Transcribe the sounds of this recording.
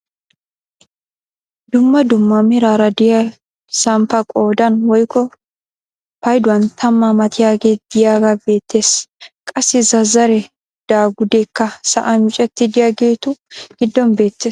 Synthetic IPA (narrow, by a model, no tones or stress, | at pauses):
d̪ʊmːɐd̪ʊmːɐmɪɾaːɾɐd̪ɪjɐ | sɐmpɐkʼo̞ːd̪ɐnwɔjkːɔ | pɐjd̪ʊwɐnt̪ʰɐmːɐmɐt̪ʰɪjaːɡe̞ːd̪̥ɪjaːɡɐbe̞ːt̪ːe̞ːskʼɐsːɪzɐzːɐɾɛ | d̪̥aːɡʊd̪ekːɐsɐ̰ʔɐnt͡ʃʼɛt̪ːɪd̪ɪjaːɡe̞ːt̪ʊɡ̥ɪd̪ːɔnbe̞ːt̪ːeː